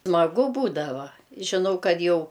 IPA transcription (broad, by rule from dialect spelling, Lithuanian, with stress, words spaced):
smɐˈɡʊ ˈbuːdɐʋɐ ʒʲɪˈnɐʊ ˈkɐt ˈjɛʊ